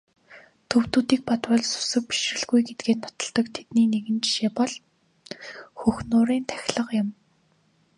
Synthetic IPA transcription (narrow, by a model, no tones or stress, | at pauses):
t̪ʰɵwt̪uːt̪iːk̚pat̪wɔɮsʊ̥sə̆k̚pi̥ʃrɘ̆ɮɣujɡet̪̚ɡeːt̪nɔ̥t̪ɞ̆ɮt̪ɞ̆kt̪ʰe̥t̪niːneɣɘ̆nt͡ɕi̥ʃeːpɔɮ | xɵxnʊːɾiːnt̪ʰæ̥xʲɮə̆qjʊ̆m